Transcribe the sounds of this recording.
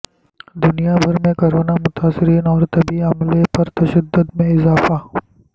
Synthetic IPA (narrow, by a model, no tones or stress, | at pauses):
d̪ʊnijabʱɐɾmẽkoɾoːnamʊt̪aːsɪɾiːnɔːɾt̪ɐbiɐmlepɐɾt̪ɐʃəd̪ːʊd̪mẽɪzaːfaː